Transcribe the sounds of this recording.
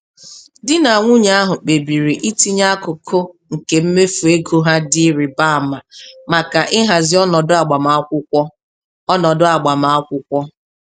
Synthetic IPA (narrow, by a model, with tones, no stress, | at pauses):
dɪ˦na˨ŋʷʊ˦ɲa˦a˦ɦʊ˨k͡pe˨bi˨ɾi˨ʔi˦ti˦ɲa˦kʊ˨kʰo˦ŋ̩˨ke˨m̩˦me˦fu˨e˦ɡo˦ɦa˦dɪ˦ɾɪ˨ba˦a˨ma˨ma˨ka˨ʔɪ˦ɦa˨zɪ˦ɔ˦nɔ˨dʊ˦a˨ɡ͡ba˨ma˨a˦kʷʊ˦kʷɔ˦ | ɔ˦nɔ˨dʊ˦a˨ɡ͡ba˨ma˨˦a˦kʷʊ˦kʷɔ˦